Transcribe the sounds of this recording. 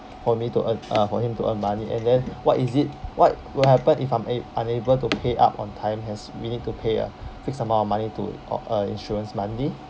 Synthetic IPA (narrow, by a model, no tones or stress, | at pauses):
fɔmituʔə̃na̰fɔhĩmtuʔə̃nmaniʔɛ̰̃ndɛ̃nwɔtizit̚wɔt̚ | wilɦɛpə̃nʔifãɪ̃mʔãnebəltupʰeʔa̰pɔ̰̃ntʰãɪ̃mɛ̃nswinit̚tupʰeə̰fik̚sãmaɔmanitṵʔəḭ̃nʃɔɹə̃nsmãndi